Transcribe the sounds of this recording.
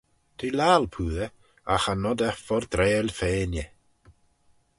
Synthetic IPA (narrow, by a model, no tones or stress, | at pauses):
t̪ʰilaːlpʰuːðə | axanɔd̪əfɔɾd̪ɾeːlfeːnjə